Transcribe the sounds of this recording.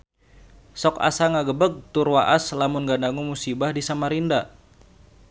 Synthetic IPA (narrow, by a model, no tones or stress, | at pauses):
sɔka̰saŋaɡəbəɡ̚t̪urwaʔaslamʊnɡandaŋumusibahdisamaɾinda